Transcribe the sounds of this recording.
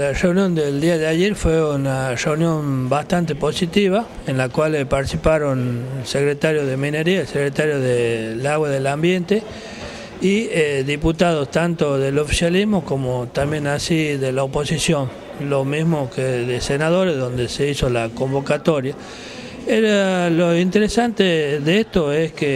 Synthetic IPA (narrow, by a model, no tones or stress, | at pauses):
lareunjo̞nd̪eld̪iaðeajeɾfweunareunjo̞mbast̪ant̪epo̞sit̪iβ̞a | enlakwalpaɾt̪isipaɾo̞nelsekɾet̪aɾjoðemineɾiaelsekɾet̪aɾjoðelaɣwaðelambje̞nt̪e | ieðiput̪aðost̪ant̪oðelofi̥sjalizmokomot̪ambje̞nasiðelaopo̞sisjo̞n | lo̞mizmokeðesenað̞o̞ɾezðo̞nd̪e̞seiso̞lako̞mbo̞kat̪oɾja | eɾaloint̪eɾesant̪eðeest̪oeske